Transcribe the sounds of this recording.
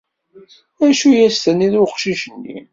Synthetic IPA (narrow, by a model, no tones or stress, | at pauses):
æʃujæst̪ənːiðʊqʃiʃənːḭ